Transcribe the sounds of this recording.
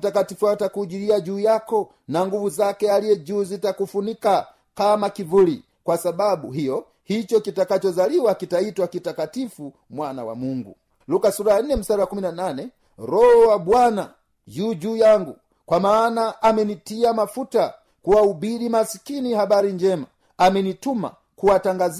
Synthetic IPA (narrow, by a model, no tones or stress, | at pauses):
takatifuatakud͡ʒiliad͡ʒuːjakɔ | naŋɡuvuzakɛalijɛd͡ʒuːzitakufunika | kamakivuli | kwasababuɦijɔ | hit͡ʃɔkitakat͡ʃɔzaliwakitaitwakitakatifu | mwana̰wa̰muŋɡṵ | lukasuɾaan̩nɛm̩saɾaakuminananɛ | ɾɔhɔwabwana̰ | juːd͡ʒuːjaŋɡu | kwamaːnaʔːmɛnitiamafuta | kuaubiɾimasi̥kinihabaɾiɲd͡ʒɛma | amɛnituma̰ | kuwataŋɡaz